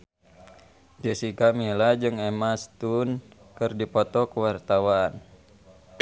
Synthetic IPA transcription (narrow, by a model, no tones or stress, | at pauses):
d͡ʒəsikamilad͡ʒɨŋɛmast̪un | kɨrdipɔt̪ɔkəwart̪awaːn